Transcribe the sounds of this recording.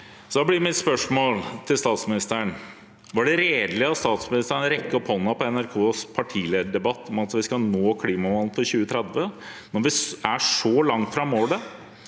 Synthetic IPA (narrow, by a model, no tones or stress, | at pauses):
sɔd̪ɑblɪmɪt̪spœʂmoːlt̪ʰɪlst̪ɑːt̪smɪnɪst̪əəɳ | ʋɑɖɛɾeːd̪lɪɑt̪st̪ɑːt̪smɪnɪst̪əəɳɾɛkːəɔphɔnːəpɔɛnæɾkʰoːspʰɑʈʰiːleːd̪əɖɛbɑt̪ːɔmɑt̪ʋɪskɑnoːkʰliːmɑʋɑnːnfɔɾɕʉːət̪ʰɾɛd̪ʋə | nɔɾʋɪæʂɔlɑŋt̪fɾɑmːoːɖ̪ɛ